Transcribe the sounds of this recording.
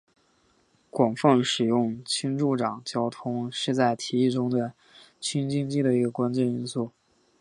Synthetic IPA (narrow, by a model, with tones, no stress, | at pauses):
kwɑ˨˩ŋfɑ˥˩ŋʂɻ̩˨˩jʊ˥˩ŋt͡ɕʰi˥ŋʈ͡ʂu˥˩ʈ͡ʂɑ˨˩ŋt͡ɕjɑ˥ʊt̪ʰʊ˥ŋʂɻ̩˥˧t͡sa˥˩ɪt̪ʰi˧˥i˥˩ʈ͡ʂʊ˥ŋd̪ə˨ | t͡ɕʰi˥ŋt͡ɕi˥ŋt͡ɕi˥˩d̪ə˨i˧˥ɡə˧kwa˥nt͡ɕjɛ˥˧ni˥nsu˥˩